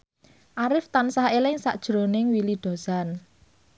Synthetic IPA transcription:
ʔaɾɪft̪ansahelɪŋsa̰ʔd̥ʒ̥ɾonɪŋwilid̪̥o̤san

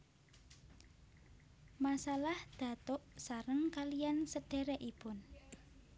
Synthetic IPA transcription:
masalahd̪̥ä̤t̪ɔʔsaɾəŋkalijansəɖ̥e̤ɾɛʔipʊn

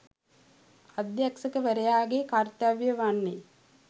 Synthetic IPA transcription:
ɐd̪jaksɐkəʋəɾɐjaːɡekart̪aʋjəʋanːe

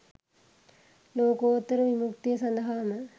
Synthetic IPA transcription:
loːkoːt̪ːɐɾɐʋimukt̪ijɐsɐnd̪ɐɦaːmɐ

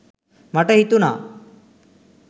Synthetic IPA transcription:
maʈəɦit̪una̰

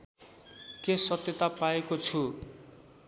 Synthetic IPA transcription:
kesʌt̪jʌt̪apaekot͡sʰu

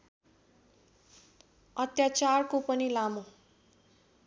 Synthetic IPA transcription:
ʌt̪jat͡sarkopʌnilamo

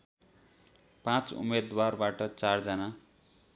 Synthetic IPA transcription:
pãt͡sṵmed̪warbaʈʌt͡sard͡zʌna

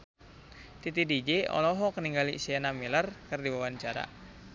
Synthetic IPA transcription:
t̪it̪idid͡ʒeɔ̰lɔɦɔkəniŋɡalḭsiɛnamilərkərdiwawaɲt͡ʃaɾa̰

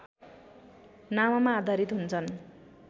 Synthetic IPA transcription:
nawamãːd̪ʱaɾit̪ɦunt͡sʰʌn

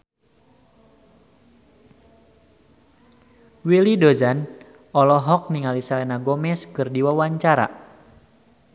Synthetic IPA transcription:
wilidɔzan | ɔlɔɦɔk̚niŋalisalɛnaɡɔmɛskɨrdiwawaɲt͡ʃaɾa̰

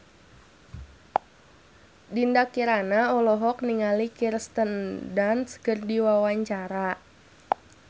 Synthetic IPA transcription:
dindakiɾanaɔlɔɦɔkniŋalikirst̪əndanskərdiwawaɲt͡ʃaɾa

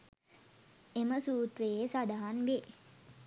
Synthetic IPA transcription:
eməsuːt̪ɾejesad̪aɦanʋe

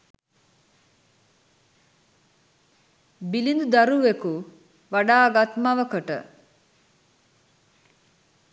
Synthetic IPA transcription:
bilind̪ud̪aɾuʋeku | ʋaɖaːɡat̪maʋəkəʈə̰

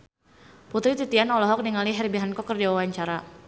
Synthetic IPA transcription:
put̪ɾit̪it̪ianɔlɔɦɔk̚niŋaliɦɛrbiɦankɔkːərdawawaɲt͡ʃaɾa

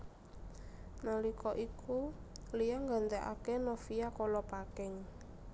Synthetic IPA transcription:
nalikɔʔikulijaŋɡa̤nt̪ɛʔa̰kenɔfiakɔlɔpakɛŋ

